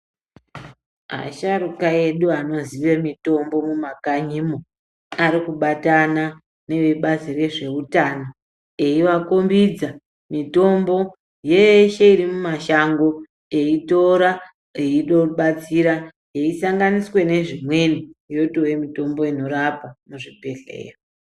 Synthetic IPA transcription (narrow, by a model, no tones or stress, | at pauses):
a̰ʃaɾukae̞ɗuano̞ziʋe̞mito̞mbo̞mumakaɲimo | aɾikuɓatana | ne̞ʋe̞ɓazire̞ʐe̞utana | e̞iʋakombid͡za | mito̞mbo̞ | jeʃe̞iɾimumaʃaŋɡo̞ | e̞ito̞ɾa | eiɗoɓat͡siɾa | jeisaŋɡaniswe̞ne̞ʐimwe̞nijo̞tojemito̞mbo̞ino̞ɾapamuʐipe̞ɬḛːro